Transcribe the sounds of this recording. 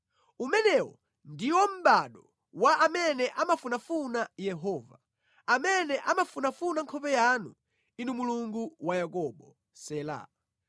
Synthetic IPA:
umɛnɛwɔ̰ | ndiwɔm̩ɓaɗɔ | waʔamɛnɛʔamafunafunajɛɦɔːva | amɛnɛʔamafunafunaŋkʰɔpɛjanu | inumuluŋɡuwajakɔɓɔ | sɛla̰

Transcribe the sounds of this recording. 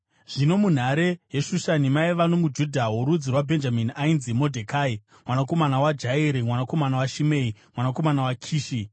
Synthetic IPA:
ʐ̥ino̞mun̤aɾeje̞ʃuʃanimaiʋano̞mud͡ʒudʱaɦuɾud͡zirwabʱe̞nd͡ʒaminiainzimo̞dʱekaːi | mwanako̞manawad͡ʒaeɾimwanako̞manawaʃime̞imwanako̞manawakʰiːʃi

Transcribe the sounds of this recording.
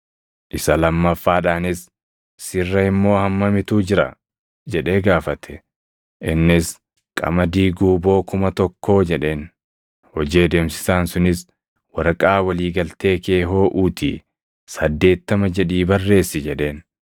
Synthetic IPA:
ʔɪsɐlɐmːɐfːaːᶑaːnɪs | sɪrːɐɪmːo̞ːhɐmːɐmɪt̪uːd͡ʒɪɾɐ̰ | d͡ʒɛᶑe̞ːɡaːfɐt̪ʰɛ̥ | ʔɪnːɪs | kʼɐ̰mɐd̪iːɡuːbo̞ːkʊmɐt̪ɔkːo̞ːd͡ʒɛᶑe̞ːn | hɔd͡ʒe̞ːd̪eːmsɪ̥saːnsʊnɪs | wɐɾɐkʼaːwɐliːɡɐlt̪e̞ːke̞ːɦo̞ːʔuːt̪ʰḭː | sɐd̪ːe̞ːt̪ːɐmɐd͡ʒɛᶑiːbɐrːe̞ːsːɪd͡ʒɛᶑe̞ːn

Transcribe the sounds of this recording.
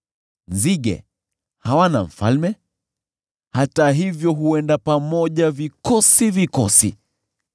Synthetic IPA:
nziɠɛ̰ | hawanam̩fa̰lmɛ | hataɦivjɔɦuɛndapamɔʄavikɔsivikɔsḭ

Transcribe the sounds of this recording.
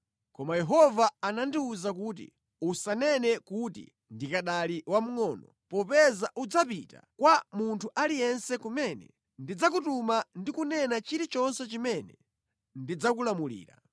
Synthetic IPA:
kɔmajɛɦɔvaanandiuzak̬uːt̬ḭ | usanɛnɛkutḭ | ndikaɗaliwam̩ŋɔːnɔ | pɔpɛzaʔud͡zapita̰kwamuntʰuʔalijɛnsɛkumɛnɛ̰ | ndid͡zak̬utumandikunɛnat͡ʃiɾit͡ʃɔnsɛt͡ʃimɛnɛ | ndid͡zak̬ulamulḭːɾa̰

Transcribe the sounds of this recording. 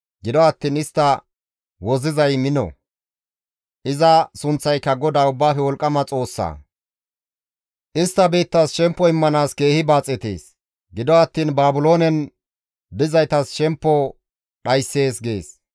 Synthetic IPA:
ɡɪd̪ɔɐt̪ːiːnɪst̪ːɐ | wɔzɪzɐjmɪnɔ̰ | ʔɪzɐsʊnt͡sːɐjkːɐɡɔd̪aːʊbːaːfɛwɔlkʼːɐmɐt͡sʼo̞ːsːa̰ː | ʔɪst̪ːɐbiːt̪ːɐsʃɛmpːɔɪmːɐnaːske̞ːhɪbaːt͡sʼːɛt̪ḛːs | ɡɪd̪ɔɐt̪ːiːnbaːbʊlo̞ːnɛn | bɪzɐjt̪ɐsʃɛmpːɔ | ɗɐjsːe̞ːsɡe̞ːs

